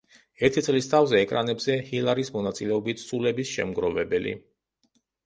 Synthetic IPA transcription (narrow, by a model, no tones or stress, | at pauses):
ɛɾt̪ʰit̪sʼlist̪ʰavzɛːkʼɾanɛbzɛhilˠaɾismɔnat̪sʼilɛɔbit̪ʰsʼulɛbisʃɛ̰mɡɾɔvɛbɛlḭ